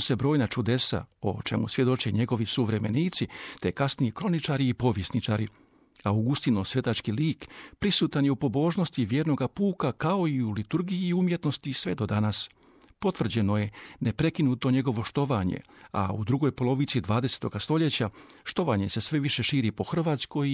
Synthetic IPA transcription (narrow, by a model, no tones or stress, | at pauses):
sebɾo̞ːjnat͡ʃud̪e̞sa̰o̰t͡ʃe̞musʋje̞d̪o̞t͡ʃeɲe̞ɡo̞ʋisuʋɾe̞me̞niːt̪sit̪ekasnijikɾo̞nit͡ʃaːɾiːpo̞ʋje̞snit͡ʃaːɾi | awɡust̪ino̞sʋje̞t̪at͡ʃkiliːkpɾisuːt̪anjeupo̞bo̞ːʒno̞st̪iʋje̞ːɾno̞ɡapuːkakao̞iulit̪uɾɡijiːumje̞t̪no̞st̪isʋe̞d̪o̞d̪anas | po̞t̪ʋr̩d͡ʑe̞no̞je̞ne̞pɾe̞kinuːt̪o̞ɲe̞ɡo̞ʋo̞ʃt̪o̞ʋaɲḛa̰ud̪ɾuɡo̞jpo̞lo̞ʋit̪sid̪ʋaːd̪ese̥t̪o̞ɡast̪o̞ʎe̞t͡ɕaʃt̪o̞ʋaɲe̞se̞sʋe̞ʋiʃe̞ʃiːɾipo̞xr̩ʋaːt̪sko̞j